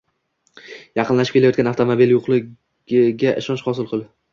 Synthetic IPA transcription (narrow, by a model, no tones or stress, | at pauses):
jɑqʰɨnlaʃɪpkʲʰelajɒt̪kʲanaft̪ʰomobiljoqlˠɪ̥ | ɪɡʲaʔɪ̰ʃɒnʃhɒsɪlˠqʰɨlˠɪ